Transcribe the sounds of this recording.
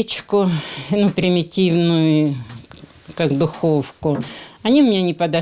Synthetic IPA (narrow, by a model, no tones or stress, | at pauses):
t͡ɕkʊnupɾʲɪmʲɪtʲivnʊjʊ | kakd̪ʊxofkʊɐnʲiʊmʲɪnʲanʲɪpəd̪ɐ